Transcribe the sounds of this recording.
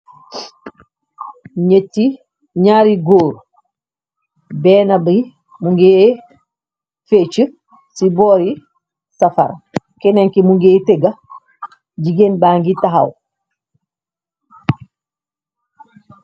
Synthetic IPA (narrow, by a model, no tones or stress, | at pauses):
ɲetːi | ɲaːɾiɡoːɾ | bɛːnabi | muŋɡe | fet͡ʃə | sibɔːɾi | safa̰ɾa | keneŋkimuŋɡeːteɡa | ɟiɡenbaŋɡitaɦa̰w